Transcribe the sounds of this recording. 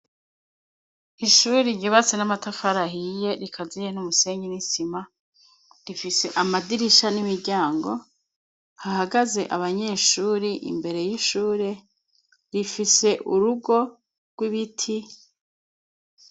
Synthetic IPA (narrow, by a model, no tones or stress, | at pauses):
iʃuːɾiɟiβat͡sinamatafaɾaɦije̞ɾikʰazijen̥umuse̞ːɲɟinisima | ɾifise̞ʔamadiɾiʃanimiɾɟaːŋɡo̞ | hahaɡaze̞̰ʔaβaɲe̞ːʃuːɾiʔḭmbe̞ɾe̞jiʃuːɾe̞ | ɾifise̞ʔuɾuɡo̞ | ɡ̥wiβitʰi